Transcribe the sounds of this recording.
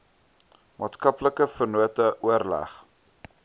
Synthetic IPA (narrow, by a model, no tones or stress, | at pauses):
mɑːtskɐpləkəfərnuətəʔuərlæ̰χ